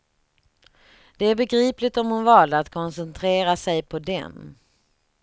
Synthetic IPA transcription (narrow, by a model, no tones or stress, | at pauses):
d̪̥ɛæɾbɛɡɾiːplɪɡt̪ɔmhʊnvɑːlat̪kʰɔnsɛnt̪ʰɾeːɾasɛjpʰɔd̪ɛ̰n